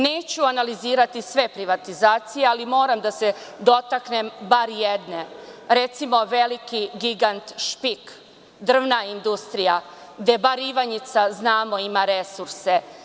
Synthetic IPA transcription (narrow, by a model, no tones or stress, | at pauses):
ne̞ːt͡ɕuanaliziːɾat̪isʋe̞pɾiʋat̪izaːt̪sijealimo̞ːɾamd̪ase̞d̪o̞t̪akne̞mbaɾjed̪ne̞ɾe̞t̪simo̞ʋelikiɡiɡant̪ʃpik | d̪r̩ʋnaind̪ust̪ɾija | ɡd̪e̞baɾiʋaɲit̪saznaːmo̞imaɾe̞suɾse̞